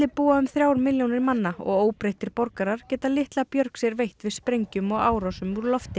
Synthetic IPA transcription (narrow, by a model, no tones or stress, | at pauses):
ɪpuːaʏmθɾjaːwɾmɪljownɪɾmanːaɔ̰ɣoːwpɾejht̪ɪɾ̥pɔɾkaɾaɾ̥cɛːt̪alɪht̪lapjœɾksjɛɾvejht̪vɪðspɾejɲcʏmɔɣa̰ːwɾɔsʏmuɾlɔft̪ɪ